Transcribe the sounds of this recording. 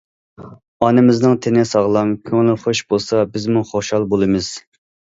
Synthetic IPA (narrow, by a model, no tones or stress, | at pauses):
ɑnɨmɪznɨŋt̪ʰɪnɪsɑʁlˠɑmkʲʰøŋlɪχoʃbolˠsɑbɪzmuχoʃɑlˠbolˠɨmɨz̥